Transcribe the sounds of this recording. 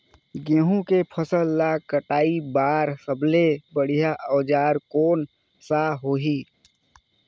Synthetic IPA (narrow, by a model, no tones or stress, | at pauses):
ɡẽːɦũkepʰəsəlːakəʈaːibaːɾsəblebəɽ̤ijaʔɔːd͡ʒaːɾkoːn | saɦoːɦiː